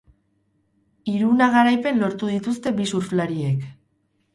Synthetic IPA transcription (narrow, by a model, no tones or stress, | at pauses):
iɾunaɣaɾajpe̞nlo̞ɾt̪uðit̪ust̪e̞bisuɾflaɾie̞k